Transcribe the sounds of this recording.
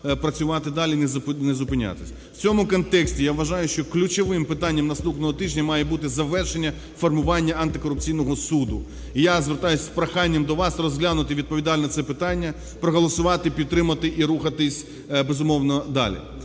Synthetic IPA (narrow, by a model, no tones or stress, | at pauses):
pɾɐt͡sʲʊʋɑt̪ɪd̪ɑlʲinɛznezʊpɪnʲa̰t̪ɪ̥sʲɐw̥t͡sʲɔmʊkɔnt̪ɛksʲtʲijaʋʋːɐʒɑjʊʃt͡ʃɔklʲʊt͡ʃɔʋɪmpɪt̪anʲːɐmnɐst̪upnɔɦɔt̪ɪʒʲnʲɐmɑjɛbut̪ɪzɐʋɛrʃenʲːɐ | fɔrmʊʋɑnʲːɐɐnt̪ɪkɔɾʊp̚t͡sʲijnɔɦɔsud̪ʊ | ijazʋert̪ɑjʊsʲspɾɐxɑnʲːɐmd̪ɔʋɑsrɔzɦlʲanʊt̪ɪʋʲid̪̚pɔʋʲid̪ɑlʲnɐt̪sɛpɪt̪ɑnʲːɐ | pɾɔɦɔlˠɔsʊʋɑt̪ɪpʲid̪̚ɾɪmɐt̪ɪʔiɾuxɐt̪ɪsʲ | bezʊmɔwnɔd̪ɑ̰lʲḭ